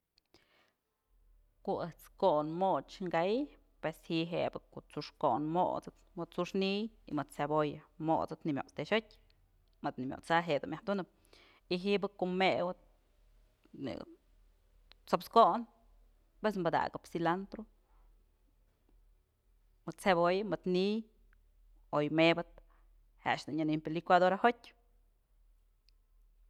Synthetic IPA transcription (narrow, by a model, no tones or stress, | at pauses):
koʔɨht͡skoʔnmot͡ʃŋɡai | pweshiʔɦebɨkoʔt͡suʂkoʔnmo̰ʔt͡sɨt̪mɨd̪̚t͡suʂnijḭmɨd̪̚t͡sabojɨmo̰ʔt͡sɨt̪nimʲo̰ʔt͡st̪eʃɨtʲ | mɨd̪nimʲjo̰ʔt͡saɦeʔd̪umjahd̪unɨp̚ | iɦiʔbɨkoʔmewɨt̪̚ | nḭɨ̰ | t͡sopskoʔn | pes̬mbad̪a̰ɡɨpsilant̪ɾu | mɨt̪̚t͡sebojɨmɨd̪nij | ojmebɨt̪̚ | ha̰ʃd̪uʔnanimpelikʷad̪oɾahotʲ